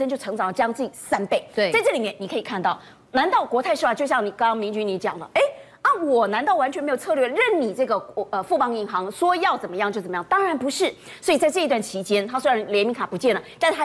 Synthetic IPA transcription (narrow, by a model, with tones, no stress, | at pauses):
ə˥nt͡ɕjo˥˩ʊʈ͡ʂʰɤ˧˥ŋt͡sɑ˨˩ŋlə˦t͡ɕjŋ˧t͡s̩˥˩t͡ɕi˨˩sa˥npe˥˩ɪ˩t͡sa˥˧ɪʈ͡ʂɤ˥˩li˨˩mjɛ˥˩ni˨˩kʰɤ˧˥i˨˩kʰa˥˧nt̪ɑ˥˩ʊ | na˧˥nt̪ɑ˥˩ʊkwɔ˧˥˧ɪʂɻ̩˥˩a˧˩t͡ɕjo˥˧ʊɕjɑ˥˩ŋni˨˩kɑ˥ŋmi˧˥ŋt͡ɕy˥ni˧˥t͡ɕjɑ̰˨˩ŋlə̰˦ʔe˥ɪ | a˥˩wɔ˨˩na˧˥nt̪ɑ˥˩ʊwa˧˥nt͡ɕʰɥnme˧˥jo˨˩ʊt͡sʰɤ˥˧lɥɛ˥˩ɻə˥˩nni˨˩ʈ͡ʂɤ˥˩ɡə˩ə˧fu˥˩pɑ˥ŋi˧˥ŋxɑ˧˥ŋʂwɔ˥jɑ˥˩ʊt͡sə˨˩mə˦jɑ˥˧ŋt͡ɕjo˥˩ə˨˩˦jɑ˥˨ŋ˧t̪ɑ˥ŋɻa˧˥npu˧˥ʂɻ̩˥˩ | swɔ˧˥i˨˩t͡sa˥ɪɤ˥˩˧t̪wa˥˩nt͡ɕʰi˧˥t͡ɕjɛ˥nt̪ʰa˥swe˥ɻa˧˥nljɛ˧˥nmi˧˥ŋkʰa˨˩pu˧˥t͡ɕjɛ˥˩nlə˩t̪a˥˧ʂ̩ʰ˥˩˥